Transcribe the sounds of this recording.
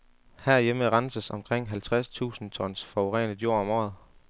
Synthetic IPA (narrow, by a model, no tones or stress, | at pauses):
hæɐ̰jeməʁɑ̈nəsəsɒ̽mkʰʁeŋ̰ɦælt͡sʰʁast͡sʰṵːsn̩t͡sʰɒ̽n̰sfɒoʁɛ̰ːnəðˠjo̝ɐ̰ɒ̽mɒ̰ːð̞ˠ